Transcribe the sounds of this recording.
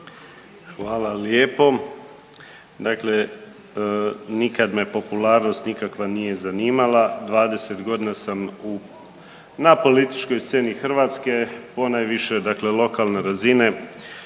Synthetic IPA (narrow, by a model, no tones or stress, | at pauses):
xʋaːlaljeːpo̞ | d̪akle̞ | nikad̪me̞po̞pulaːɾno̞st̪nikakʋanije̞zaniːmalad̪ʋaːd̪e̞se̞t̪ɡo̞d̪inasamu | napo̞lit̪i̥t͡ʃko̞jst̪se̞ːnixr̩ʋaːt̪ske̞po̞naːjʋiʃe̞d̪akle̞lo̞kalneɾazine̞